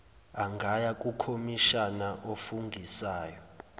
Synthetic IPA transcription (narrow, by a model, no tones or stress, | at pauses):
aŋɡʱajak̬ʼukʰomiʃanaʔofuŋɡʱisaːjɔ